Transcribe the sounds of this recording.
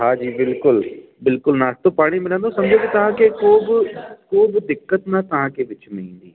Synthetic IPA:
ɦãːd͡ʒiːbɪlkʊl | bɪlkʊlnaːst̪opaːɽ̃iːmɪlə̃nd̪oːsɐmd͡ʒoːkit̪ɐɦãːkekoːbkoːbd̪ɪkːət̪nat̪ɐɦãːkeʋɪt͡ʃmɪ̃ĩːnd̪ḭː

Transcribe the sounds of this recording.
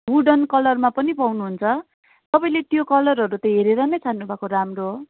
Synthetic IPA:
ɦuɖʌnkʌlʌrmapʌnipawnuɦunt͡sʰʌ | t̪ʌpaĩlet̪jokʌlʌrɦʌɾut̪ʌɦeɾeɾʌnʌjt͡sʰanːubʱakoɾamro

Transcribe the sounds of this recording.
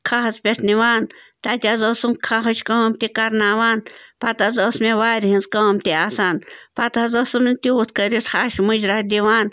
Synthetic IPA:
kʰaɦɐzpʲeʈʰniʋaːn | t̪akʲazɐsumkʰɐɦɐt͡ʃʲkɐɦɐmt̪ikɐɾnaːʋaːnpat̪ɐzɐsmeʋaːɾʲɦinzkɐmt̪iaːsaːnpat̪ɐzɐsɨmnit̪iut̪ʰkəɾit̪xaːʃmud͡ʒɾahd̪ʲiʋaːn

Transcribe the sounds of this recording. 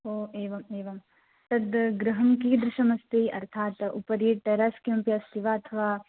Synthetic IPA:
oːeːʋɐmeːʋɐm | t̪ɐd̪ɡɾɐɦɐmkiːd̪ɾɪʃɐmɐst̪iɐɾt̪ʰaːt̪upɐɾiʈeɾaːskjumpjɐst̪ʰiʋaːɐt̪ʰɐʋaː

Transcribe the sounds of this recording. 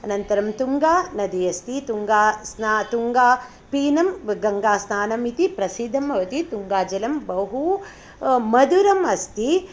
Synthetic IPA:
ɐnɐnt̪ɐɾɐmt̪uŋɡaːnɐd̪ijɐst̪it̪uŋɡaːsnat̪uŋɡaː | piːnɐmɡɐŋɡaːsnaːnɐmit̪ipɾɐsid̪ʱɐmɐʋɐt̪it̪uŋɡaːd͡ʒɐlɐmbɐɦu | mɐd̪uɾɐmɐst̪i

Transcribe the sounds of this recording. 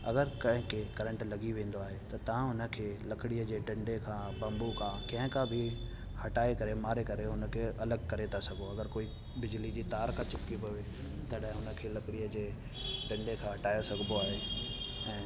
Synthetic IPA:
ɐ̰ɡəɾkɐ̃ɦɪ̃kʰeːkɐɾə̃ɳʈlɐɡiʋẽːn̆d̪oaːɦet̪ɐt̪ɐʋ̤ãʊnə̆kʰeːlɐkɪɽijəd͡ʑeːʈɐ̃ɳɖekʰãːbɐ̃mbukʰãːkɐ̃ɦɪ̃kãbʱi | hɐʈaːekɐɾemaːɾekɐɾeɦʊnə̆kʰeːɐləɡkɐɾet̪ʰasɐɡʱoɐɡəɾkoːi | bɪd͡ʑɪlid͡ʑiːt̪aːɾkʰãt͡ɕɪpkipɐʋe | t̪ɐɗɦɪ̃ɦʊnə̆kʰeːlɐkɪɽijəd͡ʑeː | ʈɐ̃ɳɖekʰãːɦɐʈaːjosɐɡʱnd̪oaːɦeɛ̃ː

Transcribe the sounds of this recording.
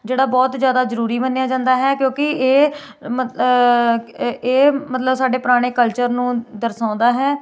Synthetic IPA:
d͡ʒeːɽaːbɔːt̪zjaːd̪aːzəɾuːɾiːmənːejaːd͡ʒãːnd̪aːɦɛːkjõːkɪeː | mə | eːmət̪ləbsaːɖeːpɾaːɽ̃eːkəlt͡ʃəɾnũːd̪əɾsãːnd̪aːɦɛː

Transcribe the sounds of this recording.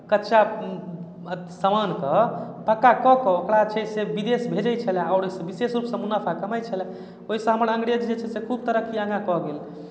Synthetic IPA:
kətːʃa | səmankə | pəkːakɔkɔokɽat͡ʃʰɛsebid̪esbʱed͡ʒəjt͡ʃʰəlɛaʊɾoisə̃bisesɾupsə̃munapʰakəməjt͡ʃʰəlɛ̃ | oɦisə̃ɦəməɾə̃ŋɡɾed͡ʒd͡ʒet͡ʃʰɛsekʰub̚t̪əɾəkʰiãŋɡãkɔɡel

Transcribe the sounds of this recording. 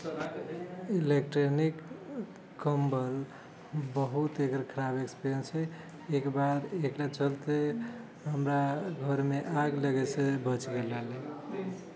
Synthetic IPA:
ilekʈɾonikː | əmbəl | bəɦut̪ekɾkʰəɾabekspent͡ʃʰɛ | ekbad̪eklat͡ʃəlt̪e | ɦəmɾaɡʱəɾmeʔaɡləɡɛsẽbət͡ʃɡelale

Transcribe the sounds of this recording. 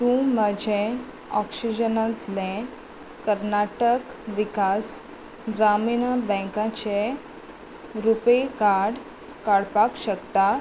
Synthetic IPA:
t̪ũm̤əd͡ʑʱẽ | ɔksid͡ʑənat̪lẽ | kəɾnaʈək | ʋikas | ɡɾaminbə̃kãt͡ɕe | ɾupekaɾɽ | kaɽpakɕəkt̪a

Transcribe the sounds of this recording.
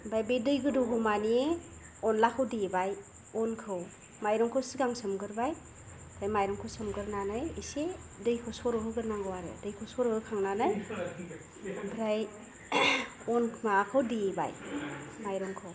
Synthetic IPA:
bajbedɯjɡɯdɔɡʰɯwmanie | ɔnlakʰɯwdebaj | ɔnkʰɯw | majɾɔŋkʰɯwsiɡaŋsɯmɡɯɾbaj | bʰɾajmajɾɔŋkʰɯwsɯmɡɯɾnanajesedɯjkʰɯwsɔɾɯɦɯɡɯɾnaŋɡɯwaɾɯ̰dɯjkʰɯwsɔɾɯhɯkʰaŋnanaj | bʰɾaj | ɔnʰmakʰawdieba̰jmajɾɔŋkʰɯw

